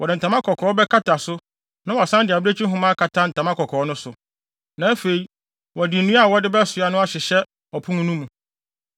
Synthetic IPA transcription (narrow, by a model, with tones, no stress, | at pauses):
wɔ˨dɪ˨n̩˨tʰã˨mã˦kʰɔ˨kʰɔː˨˦bɛ˦kʰa˦tʰa˨sʊ˦ | nã˦wɔ˨a˨sã˦ndɪ˨a˨bɪ˦ɾe˦t͡ɕʰi˦ɦʊ̃˦mã˦kʰa˨tʰã˦n̩˨tʰã˨mã˦kɔ˨kʰɔː˨˦nʊ̃˦sʊ˨ | nã˨æ˦fe˨i˨ | wɔ˨dɪ˨nũ˦a˦˨wɔ˦dɪ˦bɛ˦sʊ˨a˨nʊ̃˦a˦ɕɪ˨ɕɛ˦ | ɔ˨pʰũ˦ŋũ˦nũ˦mũ˨